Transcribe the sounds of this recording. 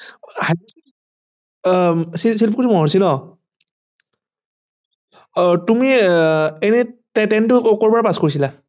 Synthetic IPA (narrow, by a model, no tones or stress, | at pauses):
hais | sisilp̬kutʰimɔɦɔɹsinɔ | tumi | ɛnɛtɛtɛntʊkɔɹbaɹapaskoɹisila